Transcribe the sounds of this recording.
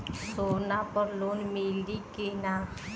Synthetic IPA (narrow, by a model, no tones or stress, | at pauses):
soːnapəɾloːnmilɖikina